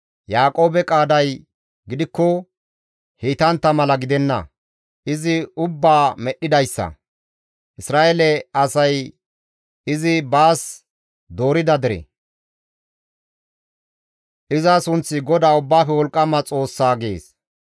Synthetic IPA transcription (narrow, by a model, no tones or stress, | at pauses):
jaːkʼo̞ːbɛkʼaːd̪ɐj | ɡɪd̪ɪkːɔ | hiːt̪ɐnt̪ːɐmɐlɐɡɪd̪ɛnːɐ̰ | ʔɪzɪʊbːaːmɛɗɪd̪ɐjsːɐ̰ | ʔɪsɾaːʔelɛɐsɐj | ɪzɪbaːs | d̪o̞ːɾɪd̪ɐd̪ɪɾɛ̰ | ʔɪzɐsʊnt͡sːɪɡɔd̪aːʊbːaːfɛwɔlkʼːɐmɐt͡sʼo̞ːsːaːɡe̞̰ːs